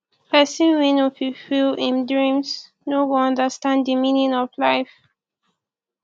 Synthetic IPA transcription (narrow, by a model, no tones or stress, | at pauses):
pʰɛsĩnwinofifilĩndɹĩms | nowuʌ̃ndəstãnddəmĩnĩnɔvlaɪf